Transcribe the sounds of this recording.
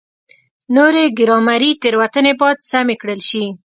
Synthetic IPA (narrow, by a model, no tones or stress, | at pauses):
noɾeɡɪɾɑmaɾit̪əɾwat̪ənebɑjd̪samekɽəlʃi